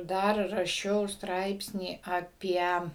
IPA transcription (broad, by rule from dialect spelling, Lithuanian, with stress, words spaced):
ˈdɐr rɐˈʃʲɛʊ ˈstrɐɪpʲsʲnʲiː ɐˈpʲiɛ